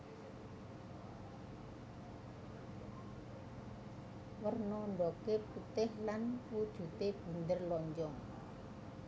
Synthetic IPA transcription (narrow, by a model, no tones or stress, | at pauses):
wərnɔɳɖɔkeput̪ɪhlanwud̥ʒ̥ṳt̪eb̥ṳnd̪ərlɔɲd͡ʒɔŋ